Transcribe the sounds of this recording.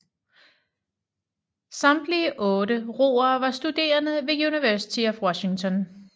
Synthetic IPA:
sɑ̈md̥liəʔɔ̽ːɾəʁo̝̰ːɐːʋɑ̈sd̥ud̥e̝̰ːɐnðəʋe̝ɡ̥iuniʋæɐsi̥t͡sʰe̝fwɒɕi̝ŋt͡sʰɒ̽n

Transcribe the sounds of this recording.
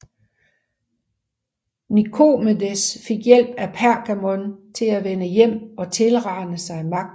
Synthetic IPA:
nikʰo̝medesfe̝ɡ̥jel̰b̥æpʰæɐɡ̥æmɔ̽nt͡sʰe̝læʋenəjem̰ɒ̽t͡sʰe̝lʁɑ̈ɪnəsɑ̈ɪmɑ̈ɡ̥̚

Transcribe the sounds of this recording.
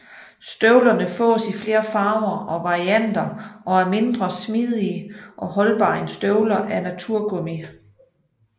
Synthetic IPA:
sd̥øʊlɐnəfɔ̰ːsifle̝ːɐfɑ̈ːʊɐʔɒ̽ʋɑ̈ʁiæn̰d̥ɐʔɒ̽æɐme̝nd̥ʁɐsmiðˠiəʔɒ̽ɦɒ̽lb̥ɑ̰̈ːe̝nsd̥øʊlɐʔæɐnæt͡sʰuɐ̰ɡ̥omi

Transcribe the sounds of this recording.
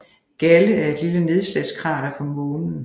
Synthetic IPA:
ɡ̥æləæɐe̝d̥liləne̝ð̞ˠslæ̥sɡ̥ʁɑ̰̈ːd̥ɑ̈kʰɒ̽mɔːnn̩

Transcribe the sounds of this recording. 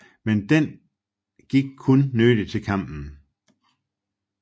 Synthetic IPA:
mend̥en | ɡ̥iɡ̥̚kʰɔnːød̥it͡sʰe̝lkʰɑ̈m̰b̥n̩

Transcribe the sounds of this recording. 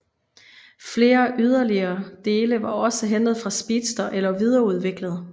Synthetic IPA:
fle̝ːɐʔyð̞ˠɐliɐːd̥e̝ːləʋɑ̈ɒ̽səɦend̥ð̩ˠfʁɑ̈sb̥iːd̥sd̥ɐʔelɐʋið̞ˠɐuð̞ˠʋeɡ̥ləð̞̩ˠ

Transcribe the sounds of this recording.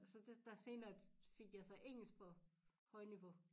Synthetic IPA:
sɒ̽d̥ed̥ɑ̈se̝ːnɐfe̝ɡ̥jɑ̈ɪsɒ̽ʔeŋ̰l̩sɡ̥̚pʰɒ̽ | hɒ̽ɪniʋo̝

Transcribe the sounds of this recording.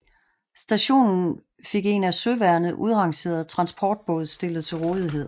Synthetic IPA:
sd̥æɕo̝̰ːnn̩ | fe̝ɡ̥e̝næsøʋæɐnð̩ˠʔuð̞ˠʁɑ̈ŋse̝̰ːɐð̩ˠt͡sʰʁɑ̈nsb̥ʰɒːd̥̚b̥ɔðˠsd̥e̝ləð̩ˠt͡sʰe̝lʁɔ̽ːðˠiɦe̝ð̰ˠ

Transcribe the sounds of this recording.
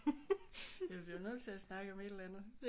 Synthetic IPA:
jæb̥linøð̰ˠt͡sʰe̝æsnɑ̈ɡ̥əɒ̽me̝d̥elænð̩ˠd̥

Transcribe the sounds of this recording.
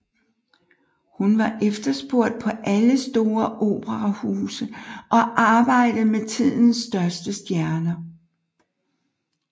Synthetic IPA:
hunʋɑ̈ʔefd̥ɐsb̥o̝ɐ̰d̥̚pʰɒ̽ʔæləsd̥o̝ːɐʔo̝̰ːb̥əʁɑhuːsəʔɒ̽ʔɑ̈ːb̥ɑ̈ɪ̰d̥əð̩ˠmet͡sʰið̰ˠn̩sd̥ɶɐsd̥əsd̥jæɐnɐ

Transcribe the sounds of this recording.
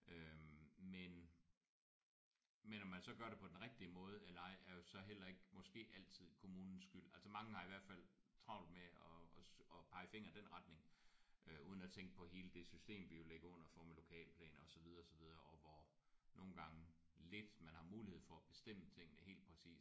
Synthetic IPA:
ømen | menɒmːænsɒ̽ɡ̥ɶɐɾ̥e̝pʰɒ̽d̥enʁɛɡ̥̚d̥iəmɔ̽ːð̞ˠelɐɑ̈ɪ̰æɐjo̝sɒ̽ɦel̰ɐe̝ɡ̥mɒ̽sɡ̥e̝̰ːʔæl̰t͡sʰið̞̰ˠkʰo̝muːnn̩sɡ̥yl̰ælsɐmɑ̈ŋəhɑ̈iʋæɐ̰d̥fæl̰ | t͡sʰʁɑ̈ʊ̰lmeɒɒ̽pʰɑ̈ɪfe̝ŋ̰ɐd̥enʁɑd̥ne̝ŋʔøuːð̞ˠn̩æt͡sʰeŋɡ̥əpʰɒ̽ɦe̝ːləd̥e̝sysd̥e̝̰ːmʋije̝leɡ̥ɐɔ̽n̰ɐfɒ̰melo̝kʰɛ̰ːlpʰlɛ̰ːnɒ̽sɒ̽ʋið̞ˠɐɒsɒ̽ʋið̞ˠɐɒ̽ʋɒ | nʔo̝ːn̩ɡ̥ɑ̈ŋə | le̝d̥mænhɑ̈muːlihe̝ð̰ˠfɒæb̥e̝̥sd̥em̰ət͡sʰe̝ŋ̰nəhe̝̰ːld̥pʰʁɛsḭːs

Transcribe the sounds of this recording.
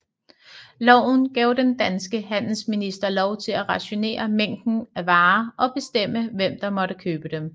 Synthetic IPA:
lɒʊ̰n̩ɡ̥ɛʊd̥end̥ænsɡ̥əɦæn̰l̩sminisd̥ɐlɒʊt͡sʰe̝læʁɑ̈ɕo̝ne̝̰ːɐmeŋ̰d̥n̩æʋɑ̈ːɒ̽b̥e̝sd̥em̰əʋem̰d̥ɑ̈mɒ̽ɾəkʰøːb̥əd̥em

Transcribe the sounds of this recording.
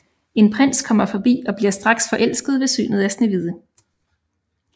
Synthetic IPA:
e̝npʰʁen̰skʰɒ̽m̰ɐfɒ̽b̥ḭːɒ̽b̥liɐsd̥ʁɑ̈ɡ̥sfɒ̽ʔel̰sɡ̥ð̞̩ˠʋe̝sy̰ːnð̞̩ˠæsneʋið̞ˠə

